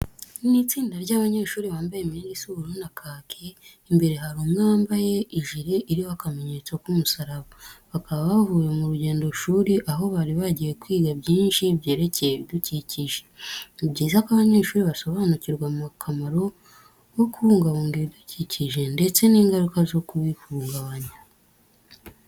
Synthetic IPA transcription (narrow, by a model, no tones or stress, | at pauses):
ninit͡siːndaɾɟaːβaɲe̞ːʃuːɾiβaːmbajemiiɡisuɾonakʰaːkʰe | imbe̞ɾe̞ɦaɾuːmŋaːmbaje̞iʒiɾeʔiɾioakame̞ɲet͡swakumusaɾaβaβakʰaβaβavuːjemuɾuɟe̞ːndo̞ʃuːɾiʔaɦo̞βaɾiβaɟije̞kwiːɡabɟiːnʃibɟe̞ːɾe̞cejeβiduciciʒe̥ibɟiːzakaβaɲeːʃuːɾiβaso̞βaːnuciɾɡwamukʰamaɾo̞ | wo̞kuhuːŋɡaβuːŋɡiβiduciciʒe̞nde̞t͡se̞niːŋɡaɾukazo̞kuβifuːŋɡaβaɲa